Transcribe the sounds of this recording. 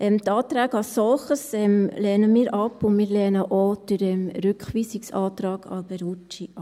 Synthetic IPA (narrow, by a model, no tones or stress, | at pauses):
ʔɛmt̪ɑːt̪ɾæːɡɑssɔlχəsɛmlɛːnəmiːɾʔɑpʊnmɪːɾlɛːnəʔodyɾɛmɾʉkχʋiːsiksɑ̰ːt̪ɾɑːɡ̥ʰɑ̰bɛɾut͡ʃi